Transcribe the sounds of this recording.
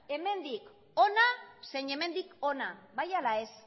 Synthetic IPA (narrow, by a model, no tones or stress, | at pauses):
e̞me̞nd̪ik | o̞nase̞ɲe̞me̞nd̪iko̞naβajalae̞s